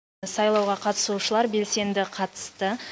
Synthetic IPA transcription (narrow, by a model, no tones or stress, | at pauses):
sɑjlˠɑwʁɑqʰɑt̪ə̥suʃəlˠɑɾbe̞lse̞nd̪ɪqʰɑt̪ə̥st̪ə